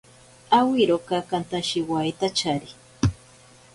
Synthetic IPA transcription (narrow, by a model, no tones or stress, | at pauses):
awiɾokakant̪aʃiwajt̪at͡ʃaɾi